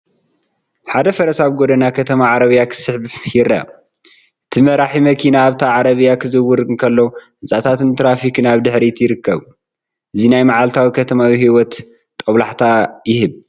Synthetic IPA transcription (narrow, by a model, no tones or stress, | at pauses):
ħad̪ɐfɐɾɐsaβɡod̪ɐnakʰɐt̪ʰɐmaʕaɾɐβɨjakʰɨ̥sɨħbhɪɾa̰ | ɨt̪ʰimɐɾaħimɐkʰinaːβt̪ʰaʕaɾɐβɨjakʰɨzɨwːʊɾɨkʰɐlːo | ɨzʼat̪ʰat̪ʰɨnt̪ʰɾafikɨnaβd̪ɨħɾit̪ʰjɪɾɨkːɐβ | ʔɨzinajmaʕalt̪ʰawikʰɐt̪ʰɐmawihiwɔt̪ːʼ | ɐβlaħt̪ʰajɪhɨβ